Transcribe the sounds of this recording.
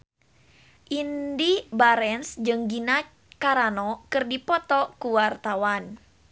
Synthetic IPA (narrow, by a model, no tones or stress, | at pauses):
ʔindibaɾɛnsd͡ʒɨŋɡina | kaɾanɔkɨrdipɔt̪ɔkuwart̪awan